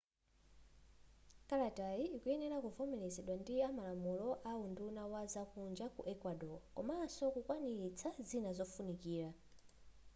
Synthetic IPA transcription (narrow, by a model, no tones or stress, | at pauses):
kaɾatajiikuɛnɛɾakuvɔmɛlɛzɛɗwandiamalamulɔʔaundunawazakund͡ʒakṵʔɛkwaɗɔkɔ̰masɔkukwaniɾit͡sʰazinazɔfunikiːɾa